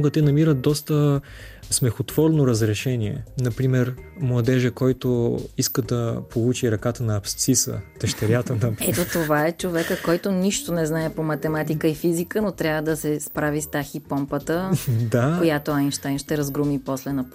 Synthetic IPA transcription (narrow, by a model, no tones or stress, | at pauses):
ɡət̪ɛnɐmiɾət̪̚d̪ɔst̪ə | smɛxot̪vɔɾnoɾəzɾɛʃɛniɛ̰nɐpɾimɛɾmlˠɐd̪ɛʒɛkɔjt̪oiskəd̪ɐpʰolˠut͡ʃiɾɐkat̪ənɐːpst̪sisə̰t̪əʃt̪ɛɾʲjat̪ənɐpɛɛt̪ot̪ovaɛt͡ʃovɛkəkɔjt̪oniʃt̪onɛznaɛpomɐt̪ɛmat̪ikəifizikənot̪ɾʲavəd̪ɐsɛspɾavist̪axipɔmpət̪əd̪akojat̪oajnʃt̪ajnʃt̪ɛɾɐzɡɾumipɔslɛnɐp